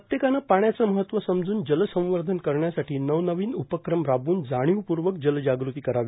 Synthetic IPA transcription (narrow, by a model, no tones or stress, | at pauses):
ət̪jekanapaɳjat͡səməɦət̪ʋəsəmd͡zuːnd͡ʑələsə̃ʋəɾd̪ʱənkəɾɳjasaʈʰiːnəʋnəʋiːnupəkɾəmɾabuːnd͡zaɽ̃jiʋpuɾʋək̚d͡ʑəld͡ʑaɡɾut̪iːkəɾaʋi